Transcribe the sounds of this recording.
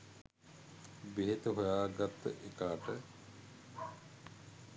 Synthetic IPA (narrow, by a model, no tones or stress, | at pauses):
beɦet̪uɦojaːɡat̪ːə̰ʔekaːʈə